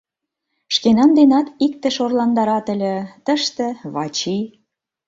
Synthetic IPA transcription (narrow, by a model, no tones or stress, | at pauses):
ʃkenɑnd̪enɑt̪ik̚t̪ĕʃorlɑnd̪ɑɾɑt̪ə̆lʲĕt̪əʃt̪ĕβɑt͡ɕi